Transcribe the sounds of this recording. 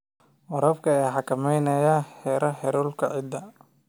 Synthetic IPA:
wɔɾɐbkʰɐɛːħɑkʰɐmɛjnɐjahɛɾʔɐħɛɾuːlkʰɐʕɪd̪ɐ

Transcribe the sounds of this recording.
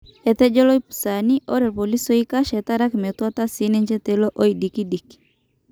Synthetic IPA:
ɛt̪ɛd͡ʒɔlojpsaniʔɔɾɛlpolisoikaʃɛt̪aɾakmɛt̪wat̪asinɛɲt͡ʃɛt̪ɛloʔoidikidiki̥

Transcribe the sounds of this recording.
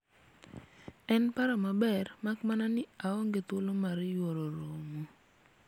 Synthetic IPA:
ɛnpaɾamabɛrmakmananɪaɔŋɡet̪olomaɾjwoɾoɾomo

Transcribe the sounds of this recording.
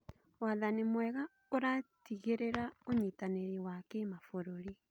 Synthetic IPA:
waðanemwɛɣa | oɾatiɣeɾeɾaoɲitaneɾewakemafoɾoɾi

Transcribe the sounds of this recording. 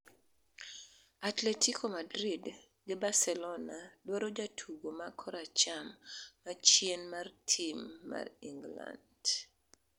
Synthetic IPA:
atletikʰomadɾid | ɡɪbarsɛlɔnadwaɾod͡ʒatʰuɡomakʰɔɾat͡ʃamːat͡ʃjenmartʰimːa̰riŋɡla̰nd̥

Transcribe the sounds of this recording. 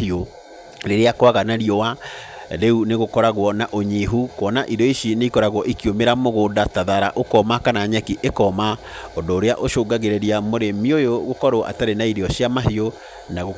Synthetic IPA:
io | ɾeɾeakwaɣanaɾiɔwaɾeuneɣokɔɾaɣwɔnaʔoɲiɦukwɔnaʔidɔiʃineikɔɾaɣwɔʔikiomeɾamoɣoːdataðaɾa̰ʔokɔmakanaɲɛkiʔekɔma | ɔndoːɾeaʔoʃoːɡaɣeɾɛɾiamoɾemiojoɣokɔɾoʔa̰taɾenaiɾeɔɕiamaɦio | naɣo

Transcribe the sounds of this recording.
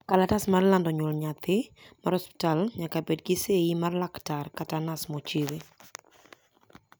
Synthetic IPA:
kalatasmarlandɔɲwɔlɲat̪ɪmaɾɔspɪ̥talɲakabed̚ɡɪseimarlaktarkatanasmot͡ʃewe

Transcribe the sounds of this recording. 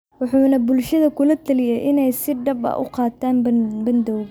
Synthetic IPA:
wʊħuːnɐbʊlʃɐðɐkʰʊlɐt̪ʰɐlɪjɛjʔɪnɛjsɪɖɐbɐ̰ʔʊ̰qɑːt̪ʰːaːnbɐnd̪ɔwɣ

